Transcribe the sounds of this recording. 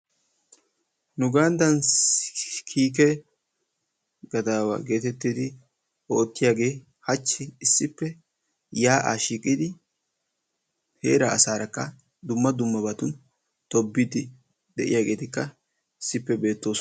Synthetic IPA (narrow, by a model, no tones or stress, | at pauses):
nʊɡand̪ɐns | kʰiːk̬ɛ | ɡɐd̪aːwɐ̰ɡe̞ːt̪ɛt̪ːɪd̪ɪ | ɔːt̪ːɪjaːɡe̞ː | hɐt͡ʃːɪɪsːɪpːɛ | jaːʔa̰ʃiːkʼːɪd̪ɪ | hḛːɾɐːsaːɾɐkːɐ | d̪ʊmːɐd̪ʊmːɐbɐt̪ʊn | t̪ɔbːɪd̪ɪ | d̪ɛʔɪ̰jaːɡe̞ːt̪ɪkːɐ | ɪsːɪpːɛbe̞ːt̪ːo̞ːs